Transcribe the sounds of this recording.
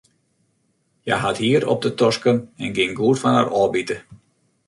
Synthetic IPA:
jajɦathiːəɾɔ̰p̚dətɔskənɛnɡɪŋɡuərfana̰rɔːbitə

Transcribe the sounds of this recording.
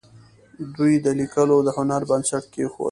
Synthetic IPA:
d̪ujd̪əlikəlod̪əhʊnaɾbansaʈ̚kexo̰

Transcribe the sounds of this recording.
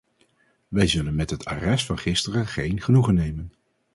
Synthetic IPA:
ʋɛjzɵlənmɛtɦətʰa̰rɛstfɑnχɪstərəχejnχənuχənːejmən

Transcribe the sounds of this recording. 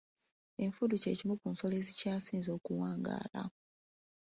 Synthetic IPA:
e̞ɱfuduce̞ːcimukunso̞lezicaːsiːnzo̞ːkuwaːŋɡa̰ːla̰

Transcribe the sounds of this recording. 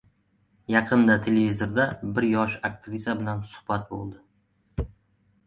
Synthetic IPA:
jɑqʰɨnd̪at̪ʰe̞levizoɾd̪abɪɾjɒʃak̚t̪ʰɪvʲizabɪlansʊ̥hbat̪̚bo̰lˠd̪ɪ

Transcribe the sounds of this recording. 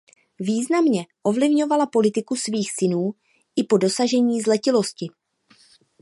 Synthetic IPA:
viːznamɲɛʔo̞vlɪvɲo̞valapo̞lɪt̪ɪkusviːxsɪnuː | ʔɪpo̞dosaʒɛɲiːzlɛcɪlo̞scɪ

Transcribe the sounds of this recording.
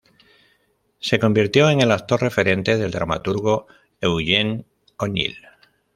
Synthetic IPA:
se̞ko̞mbiɾt̪jo̞e̞ŋe̞lak̚t̪o̞ɾre̞fe̞ɾe̞nt̪e̞ð̞e̞ld̪ɾa̰ma̰t̪uɾɣo̞ | ewʝe̞n | oɲḭl

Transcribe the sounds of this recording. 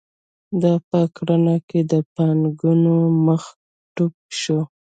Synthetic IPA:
d̪ɑpəkɽanaked̪əpanɡunoməx | ʈuk̚ʃo

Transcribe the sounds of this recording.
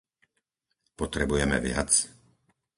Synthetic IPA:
pɔt̪ɾɛbujɛmɛ̰ʋɪa̰t͡s

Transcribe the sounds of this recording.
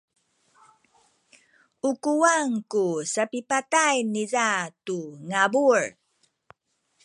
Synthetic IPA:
ukuaŋkusapipatajnizatuŋabuɹ

